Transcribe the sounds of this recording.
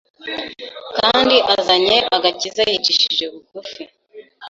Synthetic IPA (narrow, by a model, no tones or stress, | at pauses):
kaːndiʔazaɲe̞ʔaɡacizajit͡ʃiʃiʒe̞βuɡufi